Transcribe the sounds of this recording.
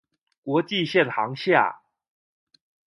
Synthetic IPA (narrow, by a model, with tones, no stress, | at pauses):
kwɔ˧˥t͡ɕi˥˧˨ɕjɛ˥˨nxɑ˧˦ŋɕja̰˥˩